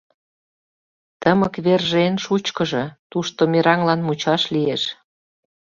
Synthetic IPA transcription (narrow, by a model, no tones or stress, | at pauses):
t̪əməkβerʒenʃut͡ɕkəʒĕt̪uʃt̪omeɾɑŋlɑnmut͡ɕɑʃlieʃ